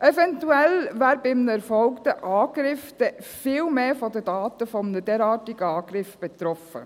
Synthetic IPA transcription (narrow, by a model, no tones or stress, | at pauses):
ʔɛvɛntuɛlvæːɾbɪmnəɛɾfɔlktəʔɑːɡ̥ɾɪfd̪̥ɛfɪːlmeːfɔd̪ədɑːt̪əfɔmnəd̥ɛːɾɑːtɪɡəɑːɡ̥ɾɪfb̥ɛt̪ɾɔfə̰